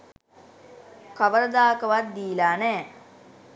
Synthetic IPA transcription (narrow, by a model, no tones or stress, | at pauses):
kaʋəɾəd̪aːkəʋat̪̚d̪iːlaːnɛː